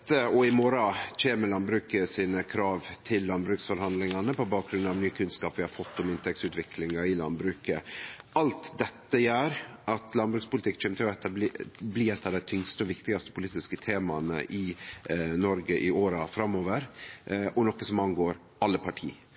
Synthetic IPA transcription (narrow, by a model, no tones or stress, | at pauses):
t̪ːəɔɪmɔɾɑt͡ʃeːməlɑnbɾʉːkəsiːnəkʰɾɑːʋt̪ʰɪlːɑnbɾʉːksfɔɾhɑnd̪lɪŋɑnəpɔbɑːk̚ɡɾʉnɑʋnyːəkʰʉnskɑːpʋɪhɑɾfɔt̪ːɔmɪnt̪ʰɛksʉːt̪ʋɪkʰlɪŋɑɪlɑ̰nbɾʉːkə̰ɑlt̪d̪ɛt̪ːəjæːɾʔɑt̪lɑnbɾʉːkspʊlt̪ɪkːt͡ʃʰɛːmət̪ʰɪlɔɛt̪ːɑb̪bliːɛt̪ːɑd̪æɪt̪ʰʏŋst̪əɔʋɪkt̪ɪɡɑst̪ə̥pʰʊliːt̪ɪskət̪ʰeːmɑnə̰ʔɪ | nɔɾɡəʔɪoːɾɑfɾɑmːoːʋəɾʔɔnɔkːəsɔmɑnɡoːɾ | ɑlːəpʰɑʈʰḭː